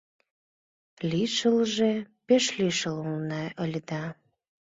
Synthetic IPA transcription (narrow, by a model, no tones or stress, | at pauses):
liʃəlʒepeʃlʲiʃəlulnɑəlʲd̪ɑ